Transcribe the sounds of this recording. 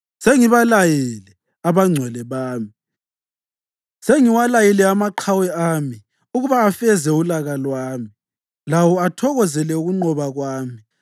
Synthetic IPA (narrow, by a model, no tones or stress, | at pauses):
seŋiβalajilɛ | aβaŋ͡ǀʱwɛlɛβaːmi | seŋiwalajilɛamaǃʰawɛami | uɣuβaːfɛzɛulaɣalwaːmi | lawɔatʰɔɣɔzɛlɛuɣuŋ͡ǃɔβaɣwaːmi